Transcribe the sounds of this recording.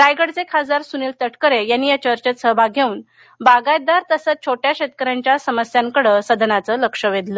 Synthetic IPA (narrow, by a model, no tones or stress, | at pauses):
ɾajɡəɽt͡sekʰad͡zaɾsuniːlt̪əʈʰkəɾejanːiːjat͡ɕəɾt͡ɕət̪səɦbʱaɡʱeuːn | baɡajd̪aɾt̪əsət͡st͡ɕʰoʈjaɕet̪kəɾaɲt͡ɕjasəməsjaŋkəɽəsəd̪ʱənat͡sələkʂəʋed̪lə